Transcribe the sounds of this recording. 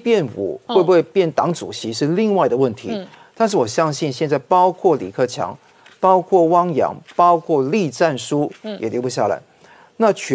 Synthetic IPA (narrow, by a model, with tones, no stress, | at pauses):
pjɛ˥˩nṵ˨˩˦xwe˥˩ɪbu˧˩we˥˧ɪpjɛ˥˩nt̪ɑ˨˥ŋʈ͡ʂṵ˨˩ɕi˧˥ʂɻ̩˥˧li˥˧ŋwa˥˩ɪd̪ə˩wə˥˩nt̪ʰi˧˥t̪a˥˧nʂ̬ɻ̩˥˩wɔ˨˩ɕjɑ˥ŋɕi˥˧nɕjɛ˥˧nt͡sa˥˩ɪpɑ˥ʊkʰwɔ˥˩lḭ˨˩kʰɤ˥˩t͡ɕʰjɑ̰˧˥ŋ | pɑ˥ʊkʰwɔ˥˩wɑ˥ŋjɑ̰˧˥ŋpɑ˥ʊkʰwɔ˥˩li˥˧ʈ͡ʂa˥˩nʂu˥jɛ˨˩ljo˧˥pu˧˩ɕja˥˩la̰˧˦ɪ | na˥˨t͡ɕʰɛ˧